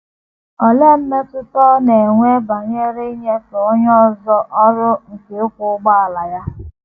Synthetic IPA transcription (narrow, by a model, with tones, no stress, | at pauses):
ɔ˨le˦m̩˦me˦tʊ˦tɔ˦ne˨ŋʷe˦ba˨ɲe˦ɾe˦ɲe˦tɔ˨˦ɲɔ˦zɔ˦ʔɔ˦ɾʊ˦ŋ̩˨ke˨˦kʷʊ˨ʊ˦ɡ͡ba˦a˨la˨ja˦